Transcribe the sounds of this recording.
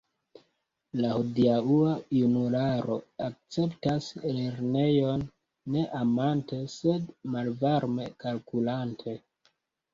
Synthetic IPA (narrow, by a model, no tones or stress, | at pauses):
lahodiauajunulaɾo̞̰ak̚t͡se̞ptasle̞ɾne̞jo̞nː | e̞ʔamante̞se̞dmalvaɾme̞kalkulantʰe̞